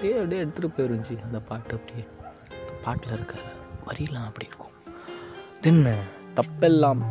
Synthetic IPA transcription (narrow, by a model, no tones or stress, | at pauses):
eːɐʋɽeːɛɽɯt̪ːɯʈːɯpːoːjɐɾɯɲd͡ʒiɐnd̪ɐpaːʈːɐpːɐɽi | nɐpaːʈlɐɪɾɯkːaːɾɯmɐɾɪlːãːɐpːɐɽiɪɾɯkːʊ̥̃ | d̪ɛnːɐt̪ɐpːɛlːãːm